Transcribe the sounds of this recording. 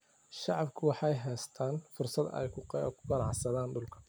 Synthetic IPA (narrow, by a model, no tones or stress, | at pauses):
ʃɑʕɑbkʰʊwɑħɑjɦɛːst̪ʰaːnfʊrsɐd̪ɛ̰jkʰʊqːkʰʊ̥ɡɑnɑʕsɐðaːnd̪ʊlkʰɐ̥